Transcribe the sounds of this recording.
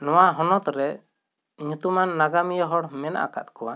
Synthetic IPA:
nɔwaɦɔnɔt̪ɾɛ | ɲũt̪umanːaɡamijɔɦɔɽmɛnʔa̰ka̰t̪̚kɔwa

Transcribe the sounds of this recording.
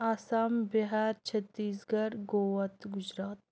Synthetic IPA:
aːsaːmbiɦaːɾt͡ʃʰɐt̪ːiːsɡɐɾɡoːʋɐt̪ɡʊd͡ʒɾaːt̪

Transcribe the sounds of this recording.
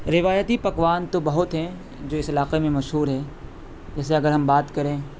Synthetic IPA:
ɾɪʋaːjət̪ipɐkʋaːnt̪obɐɦʊt̪ɦɛ̃ | d͡ʒoːɪsɐlaːqemẽmɐʃɦuːɾɦɛː | d͡ʒɛːs̬eɐɡəɾɦɐmbaːt̪kɐɾẽː

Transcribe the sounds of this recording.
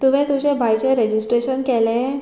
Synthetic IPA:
t̪uʋ̤ẽt̪ut͡ɕebʱajt͡ɕeɾed͡ʑisʈɾeɕənkɛle

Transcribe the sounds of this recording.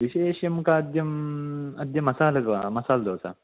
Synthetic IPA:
ʋiʃeːʃjɐmkaɐd̪jɐmɐd̪ʱjɐmɐsaːlɐd̪ʋamɐsaːld̪oːsa̰ː

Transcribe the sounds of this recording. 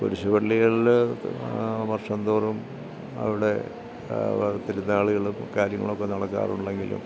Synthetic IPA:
poɾuɕɐbɐɭːiɣɐɭ | mɐrʂɐnd̪oːrum | ɐ̰ʋiɽe̞ | t̪ːiɾunːɐaːɭuɣɐɭumkaːɾjɐŋːɐ̰ɭokːe̞nɐɽɐkːa̰ːruɳɖe̞ŋɡilṵm

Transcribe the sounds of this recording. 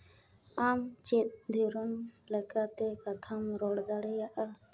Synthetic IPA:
amt͡ʃet̪̚d̪ʱiɾɔnlɛkat̪ɛkat̪ʰamɾɔɽd̪aɽɛjaʔa

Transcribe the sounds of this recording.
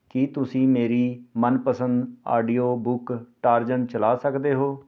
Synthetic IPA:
kɪt̪ʊsĩːmeːɾiːmənpəsənd̪a̰ːɖiːoːbʊkʈaːɾd͡ʒən̚t͡ʃəlaːsəkd̪eːɦoː

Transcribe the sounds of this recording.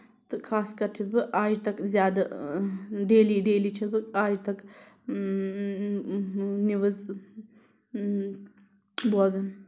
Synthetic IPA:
t̪ɨkʰaːskɐɾt͡ʃʰɐt̪̚bɨʔaːd͡ʒt̪ɐkzjaːd̪ɐ | ɖeːliɖeːliːt͡ʃʰɐt̪bɨaːd͡ʒt̪ɐk | niʋɐz | boːzɐn

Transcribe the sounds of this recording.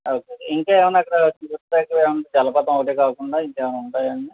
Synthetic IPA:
oːkeiŋkeːʋɐnɐkːɐɽɐt͡ʃiʋɐtaːkːɐeːʋɐnʈed͡ʒɛlɐpɐt̪ɐmɐkɐʈeːkaːkuɳɖaːiŋkeːʋɐnuɳʈaːjɐɳɖi

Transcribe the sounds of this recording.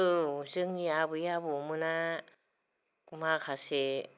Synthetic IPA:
ɯzɯŋjabɯjabumɯna | makʰase

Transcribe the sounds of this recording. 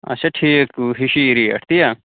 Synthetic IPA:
ɐ̰sɐʈʰiːkːuɦiʃiːɾiɐ̰ʈʰt̪ija

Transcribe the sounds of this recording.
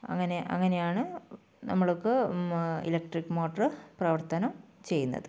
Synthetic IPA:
ɐ̰ŋːɐneʔɐ̰ŋːɐne̞jaːɳɨ | nɐmːɐɭokːe | ḭlɐk̚ʈrikːmo̞ːʈːɐrɨprɐʋɐrt̪ɐnɐmt͡ɕe̞jːunːɐ̰ðɨ

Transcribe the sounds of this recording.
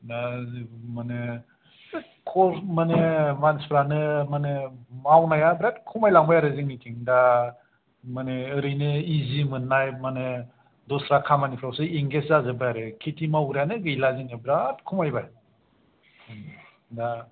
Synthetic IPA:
da | manɯ | kʰɔmanɯmanspʰɾanɯmanɯmawnajabɾat̚kʰumajlaŋbajaɾɯziŋnitʰiŋda | manɯːɾɯjnɯizimɯnːajmanɯ | dɔsɾakʰamanipʰɾawsɯiŋɡeszazɯbɯjaɾɯkʰitʰimawɾanɯɡɯjlazinɯbɾat̚kʰumajbaj | da

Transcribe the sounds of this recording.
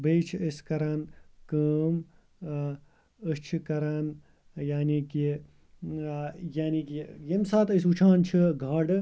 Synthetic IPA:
bejt͡ʃʰiəskɐɾaːnkɐːm | əst͡ʃʰikɐɾaːn | jaːniki | jaːniːkijemsaːt̪əsut͡ʃʰaːnt͡ʃʰiɡʱɐɽ

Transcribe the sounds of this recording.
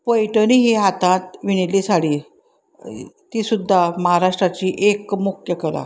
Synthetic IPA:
pəjʈəniɦiɦat̪ãt̪ʋiɽ̃ilisaɽi | t̪iːsud̪ʱːaməɦaɾaʂʈɾat͡ɕiːʔekmukʰjəkəla̰

